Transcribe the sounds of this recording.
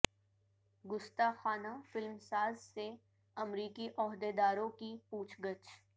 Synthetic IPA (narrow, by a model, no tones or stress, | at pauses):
ɡʊst̪axaːnafɪlmsaːzse | ɐmɾiːkiʔɔːɦd̪ed̪aːɾõkipuːt͡ʃʰɡət͡ʃ